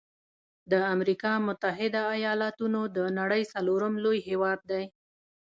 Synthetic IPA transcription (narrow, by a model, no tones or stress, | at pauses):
d̪əamɾikɑmʊt̪aɦɪd̪aːjɑlat̪unod̪ənaɽəjsaloɾəmlojɦewɑd̪̚ːaj